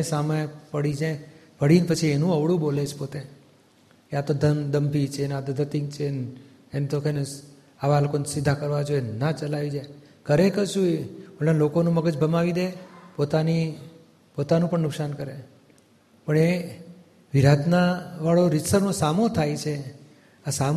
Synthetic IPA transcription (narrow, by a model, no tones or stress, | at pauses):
esaməjpəɽid͡ʒe | ʋəɽinpət͡ʃʰienũəʋɽũbolet͡ʃʰpot̪e | eat̪od̪ʱənd̪əmpit͡ʃʰenat̪od̪ʱət̪iŋɡ̚t͡ʃʰen | ent̪okʰəne | aʋalokonsɪd̪ʱːakəɾʋad͡ʒoenat͡ʃəlaʋid͡ʒaj | kəɾekəɾʃũeəɭãlokonũməɡəd͡ʒbʱəmaʋid̪epot̪ani | pot̪anũpəɳnʊksankəɾe | pəɳe | ʋiɾad̪naʋaɭoɾɪsəɾnosamot̪ʰajt͡ʃʰe | asam